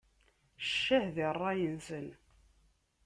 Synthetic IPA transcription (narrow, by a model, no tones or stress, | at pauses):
ʃːæhðirˤːɑjənsən